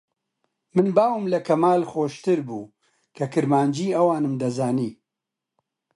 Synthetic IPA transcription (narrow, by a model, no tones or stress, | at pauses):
mɨnbaːwɨmlɐkʰɐmaːlxoːʃt̪ɨɾbuː | kʰɐkɨɾmaːnd͡ʒiːɐwaːnɨmd̪ɐzaːniː